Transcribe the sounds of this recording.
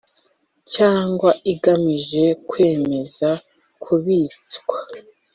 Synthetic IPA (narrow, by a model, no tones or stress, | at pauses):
caːŋɡwaiɡamiʒe̞kwe̞ːme̞za | kʰuβit͡skwḁ